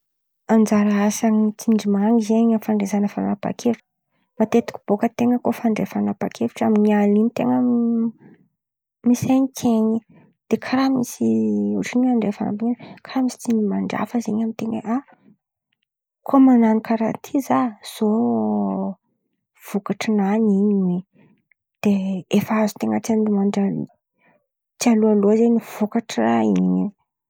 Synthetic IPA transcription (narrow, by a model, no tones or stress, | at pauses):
ad͡zaɾaasaŋit͡siɳɖ͡ʐimaŋizeɲafaɳɖ͡ʐezanəfanapa̰kʰevuʈ͡ʂ | mat̪et̪u̥kʲu̥b̥okət̪eŋəkofaɳɖ͡ʐefanapakʰeviʈ͡ʂamiɲialinit̪eŋə | misaɲikʰeɲi | d̪̥ekʰaɾamisiuʈ͡ʂiniaɳɖ͡ʐefana̰mbienkʰaɾamisi̥t͡s̪inimaɳɖ͡ʐa̰fəzeɲamit̪eŋeʔa | kʰomananikaɾat̪ʰizaz̥o | v̥ukaʈ͡ʂinaniɲiwe | d̪̥eefazu̥t̪eŋət͡siand̪imaɳɖ͡ʐa | t͡sialualozeɲiv̥okaʈ͡ʂraiiɲi